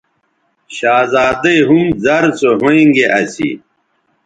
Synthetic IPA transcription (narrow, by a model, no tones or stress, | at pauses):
ɕaːzaːd̪ɐiɦumzɐɾsoɦoĩŋɡeʔɐsḭ